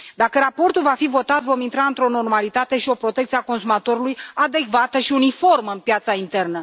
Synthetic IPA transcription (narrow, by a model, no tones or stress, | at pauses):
d̪akəɾapo̞rt̪ulvafivo̞t̪at̪vo̞mint̪ɾaɨnt̪ɾo̞no̞rmalit̪at̪e̞ʃio̞pɾo̞t̪e̞k̚t̪siako̞nsumat̪o̞ɾulujad̪e̞kvat̪əʃiunifo̞rməɨnpjat̪saint̪e̞rnə